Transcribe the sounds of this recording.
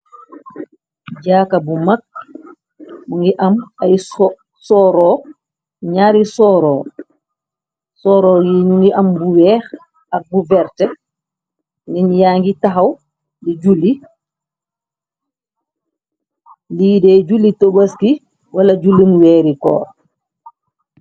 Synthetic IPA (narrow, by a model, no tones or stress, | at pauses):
ɟaːkabumak̚ | muŋɡiʔamaj | sɔɾɔ | ɲaːɾisɔːɾɔː | sɔːɾɔːjiɲuŋɡiʔambuwɛːx | ak̚buvɛɾtɛ | ninjaːŋɡitaɦaw | lid͡ʒulːi | liːdɛɟulːitobaski | walaɟulːimuwɛːɾikɔ̰ːɾ